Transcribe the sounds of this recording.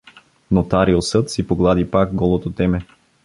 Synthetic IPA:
not̪aɾiosɤt̪sipoɡlˠad̪ipakɡɔlˠot̪ot̪ɛmɛ

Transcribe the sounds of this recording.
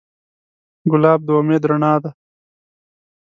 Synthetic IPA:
ɡʊlaːb̚d̪oːmeːd̪ɾɐɳaːd̪ɐ

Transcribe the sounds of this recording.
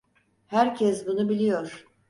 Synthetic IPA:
hæɾcʰɛsbunubilʲijoɾ̥

